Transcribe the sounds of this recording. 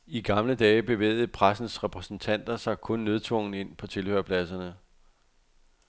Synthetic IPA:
iɡ̥ɑ̈mləd̥ɛːb̥e̝ʋḛːð̞̩ˠpʰʁasn̩sʁɛpʰʁɛsn̩t͡sʰæn̰d̥ɐsɑ̈ɪkʰɔ̽nːeð̞ˠt͡sʰʋɔ̽ŋ̰n̩e̝n̰pʰɒ̽t͡sʰe̝lhø̰ɐ̰pʰlæsɐnə

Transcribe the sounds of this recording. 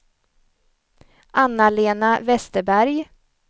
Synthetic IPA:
ʔanːaleːnavɛst̪əbæɾj

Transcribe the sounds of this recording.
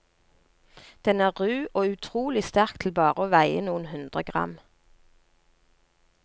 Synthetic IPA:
d̪̥ɛnæːʁʁʉːʔoːʉt̪ʰʁuːlɪst̪æʁkt̪ʰl̩bɑːʁəoːʋæɪə̰nuːənhʉnd̪ʁəɡʁɑ̰m

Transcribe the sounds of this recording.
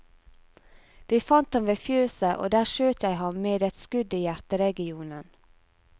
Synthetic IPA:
d̪̥iːfɑnt̪hɑmʋeːfjøːsəʔo̰ːd̪æːʃøːt̪jæɪhɑmmeːd̪ɛt̪skʉd̪iːjæɾt̪əɾɛɡɪuːnən

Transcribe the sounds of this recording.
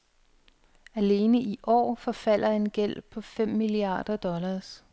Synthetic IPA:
æle̝ːnəiʔɒ̰ːfɒ̽fæl̰ɐe̝nɡ̥el̰pʰɒ̽fem̰miliɑ̰̈ːd̥ɐd̥ɒ̽lɑːs

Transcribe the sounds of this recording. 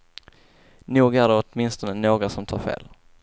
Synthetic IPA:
nuːɡæɖɛɔt̪mɪnst̪ɔnənoːɡɾasɔmt̪ʰɑːɾfḛːl

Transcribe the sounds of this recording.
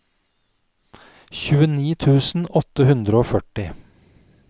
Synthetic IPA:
çʉːəniːt̪ʰʉːsn̩ɔt̪əhʉnd̪ɾəoːfœʈɪ

